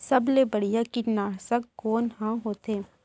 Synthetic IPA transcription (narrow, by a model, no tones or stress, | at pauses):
sɐblebɐɽijakinaːɽsəkkoːnɦãɦoːt̪eː